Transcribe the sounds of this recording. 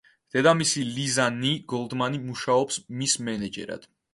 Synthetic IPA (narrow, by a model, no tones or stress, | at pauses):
d̪̥ɛd̪amisilizaniɡ̥ɔlˠd̪manimuʃaɔpsmismɛnɛd͡ʒɛ̰ɾa̰d̪̥